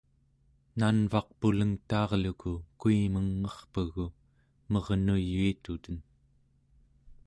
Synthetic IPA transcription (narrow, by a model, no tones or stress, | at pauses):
nanvɑq̚puləŋt̪ɑːʁlukukuiməŋːʌχpəɣu | mʌʁnujːuit̪ut̪ən